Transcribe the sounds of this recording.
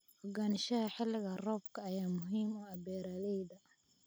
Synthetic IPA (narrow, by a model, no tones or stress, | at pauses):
wɔɡaːnɪʃɐhɐħɪlːɪɣɐrɔːb̚kʰɐːjaːmʊɦiːmɔɐbɛːɾaːlɛjd̪ɐ